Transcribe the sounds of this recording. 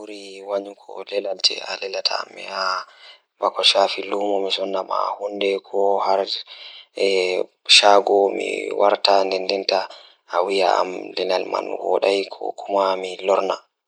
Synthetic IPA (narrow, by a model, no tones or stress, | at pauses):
uɾiwaɲukʰɔ̰lɛlaltɛ̰alɛlatʰa̰mːḭha | vakɔʃafilumɔmisɔnːama̰hundɛkʰɔhaɾ | ɛ | ʃaɡɔmḭwʔaɾtandɛndɛntaː | wija̰a̰mlɛnalma̰nwɔ̰ɗajkʰɔ̰kumamilɔɾna